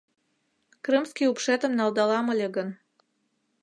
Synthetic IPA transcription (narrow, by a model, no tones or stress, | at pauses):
krɨmskiupʃet̪ə̆mnɑlˠd̪ɑlɑmə̆lʲeɣən